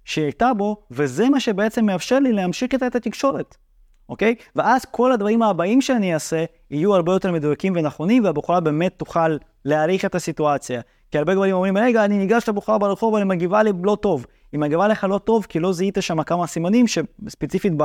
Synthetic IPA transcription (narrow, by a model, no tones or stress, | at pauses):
ʃejajt̪abo̞ve̞ze̞maʃe̞bee̞t͡se̞mːeafʃeʁlileamʃiχit̪aet̪at̪ikʃo̞ɾet | ʔo̞kejveazko̞lad̪vaʁimaːbaimʃeaniase̞ | ijuaʁbe̞jo̞t̪e̞ɾme̞d̪ujakimve̞naχo̞nimveabuχuɾabe̞ːme̞t̪ːuχalː | eaɾiχe̞t̪asituat͡sja | kiaʁbe̞ɡvaɾimomʁimɾeɡaːniniɡaʃlebuχɾabeleχo̞vanimaɡivalilo̞to̞v | imaɡivaleχalo̞t̪o̞vkilo̞ziit̪aʃamakamasimanimʃe̞spet͡sifit̚b